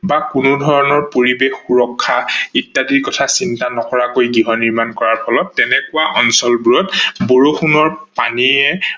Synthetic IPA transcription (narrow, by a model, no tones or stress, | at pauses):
bakunʊdʱɔɹɔnɔɹpoɹibexːuɹɔkʰːaitːadiɹkɔtʰasintanɔkɔɹakojɡiɦɔniɹmankɔɹaɹpʰɔlɔt̚ːɛnɛkuwaʔɔnsɔlbuɹɔtboɹoxunɔɹpaniɛ